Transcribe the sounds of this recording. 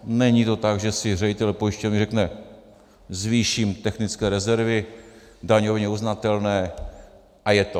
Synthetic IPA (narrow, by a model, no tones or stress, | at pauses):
nɛɲit̪o̞t̪aɡʒɛsɪrɛɟɪt̪ɛlpojɪʃcovnɪrɛknɛ | zviːʃimt̪ɛxnɪt͡skɛːɾɛzɛɾvɪ | daɲovɪɲɛuznat̪ɛlnɛː | ʔajɛt̪o̞